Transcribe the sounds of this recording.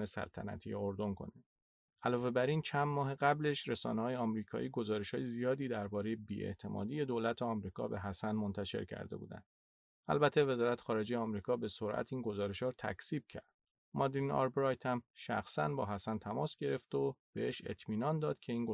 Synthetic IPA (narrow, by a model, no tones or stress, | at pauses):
nesæ̰lt̪ʰæ̰næ̰t̪ʰḭjeoɾd̪o̞nkʰo̞̰nid̪ | ʔælɒːve̞bæɾint͡ʃʰænmɒːɦeɣæble̞ʃɾesɒ̰ːnehɒːjeɒmɾiːkʰɒ̰ːʔiːɡo̞zɒːɾe̞ʃhɒːje̞zijɒːd̪iːd̪æɾbɒːɾe̞jebiːe̞̰ʔt̪ʰe̞mɒ̰ːd̪iːje̞d̪oːlæt̪ʰeɒmɾiːkʰɒ̰ːbe̞ɦæsænmont̪ʰæʃe̞̰ɾcʰæ̰ɾd̪e̞bṵːd̪æ̰nd̪̥ | æ̰lbæt̪ʰːeve̞zɒːɾæt̪ʰe̥xɒːɾe̞d͡ʒe̞jeɒmɾiːkʰɒːbe̞so̞ɾʔæ̰t̪ʰiːnɡo̞zɒːɾe̞ʃhɒːɾt̪ʰæ̰csiːb̥̚cʰæ̰ɾd̪̥ | mɒd̪ɾinɒ̰ɾbɾɒjt̪ʰæmʃæ̰xsæ̰nbɒːɦæsænt̪ʰæmɒːsɟ̥e̞ɾe̞ft̪ob̥e̞heʃḛt̪ʰmiːnɒːnd̪ɒːd̪̥cʰe̞iːŋɡo